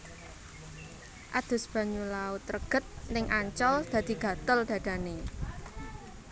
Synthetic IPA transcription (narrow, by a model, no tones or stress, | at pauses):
ʔad̪̥ʊ̤sb̥ä̤ɲulaʊt̪rəɡ̥ət̪̚nɪŋʔaɲt͡ʃɔld̪̥ä̤d̪̥i̤ɡ̥a̤t̪ʊld̥̪ä̤d̪̥a̤ne